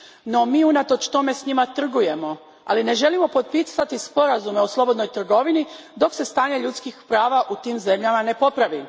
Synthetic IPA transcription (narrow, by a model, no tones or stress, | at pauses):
no̞miːunat̪o̞t͡ʃt̪o̞me̞sɲimat̪r̩ɡuje̞mo̞ | a̰line̞ʒe̞limo̞po̞t̪̚pisat̪ispo̞ɾazume̞oslˠo̞bod̪nojt̪r̩ɡo̞ʋinid̪o̞kse̞st̪aːɲe̞ʎut̪skixpɾaːʋaʔut̪iːmze̞mʎamane̞po̞pɾaʋi